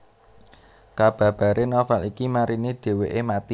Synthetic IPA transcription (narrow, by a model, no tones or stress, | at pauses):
kab̥a̤b̥ä̤ɾenɔfɛlikimaɾiniɖ̥e̤weʔemat̪i